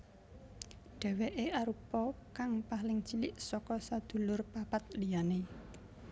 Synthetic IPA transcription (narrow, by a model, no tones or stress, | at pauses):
ɖ̥ɛ̤weʔeaɾupɔkaŋpaɦlɪŋt͡ʃilɪʔsɔkɔsad̪̥ṳlʊrpapat̪̚lijane